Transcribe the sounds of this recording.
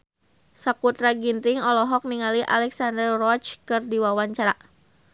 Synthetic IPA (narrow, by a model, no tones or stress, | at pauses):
sakut̪ɾaɡinɾɪŋɔlɔɦɔk̚niŋaliʔa̰lɛksandərrɔt͡ʃkɨrdiwawaɲt͡ʃaɾa